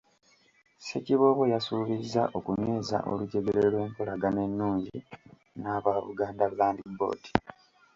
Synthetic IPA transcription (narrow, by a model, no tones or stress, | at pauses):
seciβo̞ːβwejasuβizːaʔo̞kume̞ːza̰ʔo̞̰luɟe̞ɡe̞ɾe̞lwe̞ːŋkolaɡane̞nːuːɲɟḭ | naːβaβṵɡaːndaβlaːndibo̞̰ːti̥